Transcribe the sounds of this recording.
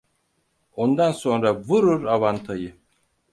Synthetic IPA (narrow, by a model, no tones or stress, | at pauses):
o̞nd̪anso̞nɾavuɾuɾavant̪ʰajɯ